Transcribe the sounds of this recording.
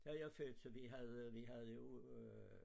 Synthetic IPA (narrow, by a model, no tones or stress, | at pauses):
d̥æjaføːd̥sɒʋiɦæðˠʋiɦæð̩ˠjo